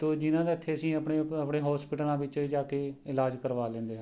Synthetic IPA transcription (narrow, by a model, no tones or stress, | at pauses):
t̪oːd͡ʒɪnãːd̪eːɪt̪ʰːeːəsĩːəpɳeːəpɳeːɦɔːspɪːʈəlãːʋɪt͡ʃːd͡ʒaːkeːɪlaːd͡ʒkəɾʋaːlẽːnd̪eːɦã